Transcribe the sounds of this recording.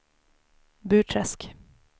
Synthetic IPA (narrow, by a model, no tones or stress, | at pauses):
bʉ̟ːʈʰɾɛsk